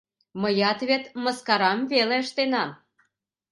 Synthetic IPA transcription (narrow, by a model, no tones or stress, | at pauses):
məjɑt̪βʲet̪mə̆skɑɾɑmveleəʃt̪enɑ